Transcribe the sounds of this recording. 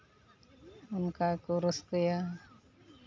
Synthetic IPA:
ʊnkakoɾəsɡəja

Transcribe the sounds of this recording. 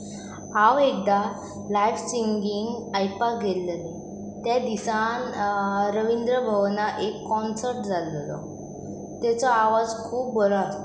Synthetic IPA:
hãʋek̚d̪a | lajfsiŋɡiŋɡajpaɡʱelːəne | t̪jad̪isanɾəʋind̪ɾəbʱəʋnaʔekːɔnsəɾʈd͡zallɔ̰ | t̪jɛt͡sɔaʋad͡zkʰuːp̚bɔlɔast̪o

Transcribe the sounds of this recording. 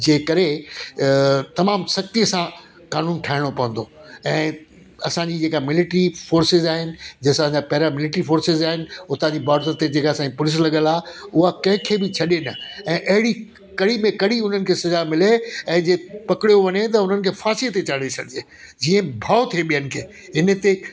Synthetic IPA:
d͡ʑeːkɐɾe | t̪ɐmaːmsɐk̚t̪ijəsã | kaːnuːnʈʰaːɪɽ̃opɐʋə̃nd̪oɛ̃ː | ɐsãɲd͡ʑid͡ʑeːkamɪlɪʈɾifoːɾsɪzaːɦɪnɪ̆d͡ʑeːsãɲd͡ʑapɐɦɪɾamɪlɪʈɾifoːɾsɪzaːɦɪnɪ̆ʊt̪ãɲd͡ʑibaːɾt̪əɾt̪ed͡ʑeːkasãɲd͡ʑipʊlɪs̬lɐɠəlaːɦeʊɦakɐ̃ɦɪ̃kʰeːbɪt͡ɕʰɐɗenɐɛ̃ːʔɐɦɪɽi | kɐɽimẽkɐɽiʊn̤ənɪ̆kʰeːsɐzamɪleɛ̃ːd͡ʑeːpɐkɪɽijoʋɐɲet̪ɐʊn̤ənɪ̆kʰeːfaːsiət̪et͡ɕaɽesɐdɪd͡ʑeː | d͡ʑiə̃bʱaːot̪ʰieɓijənɪ̆kʰeː | ɪnət̪e

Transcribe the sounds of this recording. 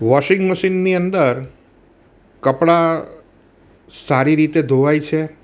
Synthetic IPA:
ʋɔʃɪŋɡməʃinːiənd̪əɾ | kəpɽa | saɾiɾit̪ed̪ʱoʋajt͡ʃʰe

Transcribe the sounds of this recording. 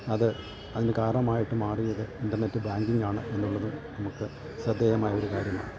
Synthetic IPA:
ɐðɨ | ɐðinɨkaːɾɐɳɐmaːjiʈːɨmaːrijːɐðɨinɖɐrne̞tːɨbaːŋɡiŋɡaːɳɨʔe̞nːuɭːɐðɨnɐmukːɨ | sɐd̪ʱːeːjɐmaːjɐo̞ɾukaːɾjɐma̰ːɳɨ

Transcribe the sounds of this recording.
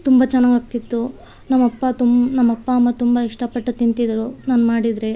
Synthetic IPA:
t̪umbɐt͡ʃɛnːaːɡaːk̚t̪it̪ːu | nɐmːɐpːɐt̪umnɐmːɐpːɐːmːɐt̪umbɐiʂʈɐpɐʈːɐt̪int̪id̪ɾunaːnmaːɽid̪ɾe̞

